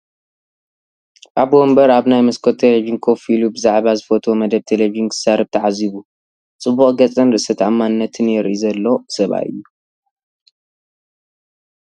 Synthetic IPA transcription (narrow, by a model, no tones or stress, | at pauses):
ʔabwombɐɾaβnajmɨskʰot̪ʰːeleviinkʰofilubɨzaʕβazɨfot̪ʰo̞mɐd̪ɐβ̚t̪ʰelevizinkʰɨ̥saɾɐbt̪ʰɐʕaziβu | t͡sʼɨbːuχʼɡɐt͡sʼɐnɾɨʔsɐt̪ʰʕamːanɨnːɐt̪ʰɨnjɛɾʔizɐlːo̞sɐβa̰ʔɨ̰jːu